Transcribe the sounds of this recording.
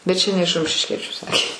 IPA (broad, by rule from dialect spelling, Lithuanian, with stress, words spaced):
bʲɛt ˈt͡ʃʲɛ nʲɛ ɪʃ rʊmʲʃʲɪʃʲˈkʲiɛt͡ʃʲʊ ˈsɑːkʲeː